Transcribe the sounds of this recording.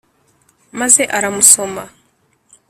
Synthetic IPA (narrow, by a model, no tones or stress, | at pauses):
maze̞ʔaɾamuso̞ma